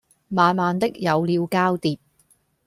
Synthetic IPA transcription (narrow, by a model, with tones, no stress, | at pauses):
maː˨˧nmaː˨˧nt̪ɪ˥k̚jɐ˨˧wliː˨˧wkaː˥wt̪iː˨p̚